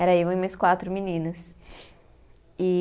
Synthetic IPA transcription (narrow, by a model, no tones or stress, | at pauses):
ɛɾɐivɐ̃mɐskwat̪ɾʊminĩnɐs | ɪ